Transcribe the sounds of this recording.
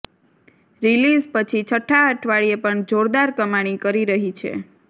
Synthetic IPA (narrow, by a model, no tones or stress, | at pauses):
ɾilizpət͡ʃʰit͡ʃʰəʈʰːaəʈʰʋaɭiepəɳd͡ʒoɾd̪aɾkəmaɽ̃ikəɾiɾəɦit͡ʃʰḛ